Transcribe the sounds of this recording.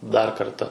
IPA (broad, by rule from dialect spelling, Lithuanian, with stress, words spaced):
dɐr ˈkɐrtɐ